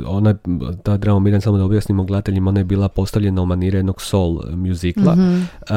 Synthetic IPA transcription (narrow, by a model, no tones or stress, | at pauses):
onajt̪ad̪ɾamomiɾansamod̪aubjasnimoɡled̪at̪e̞ʎimao̞najebiːlˠapo̞st̪aʋʎe̞naumaniɾenoɡso̞lˠmjuziklˠa̰